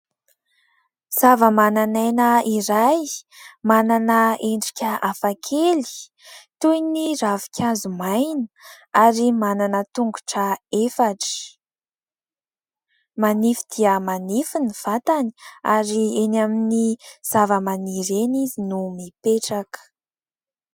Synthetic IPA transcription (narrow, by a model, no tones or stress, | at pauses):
z̥avəmananajnəiɾajmananəeɳɖ͡ʐi̥kʲəafakʰeli̥ | t̪ujniɾavi̥kʲʰazumajnə | aɾimananət̪uŋɡu̥ʈ͡ʂəefaʈ͡ʂə̥ | manifid̪̥iəmanifiniv̥at̪ani̥aɾienaminiz̥avəmaniɾenizinumipeʈ͡ʂakə̥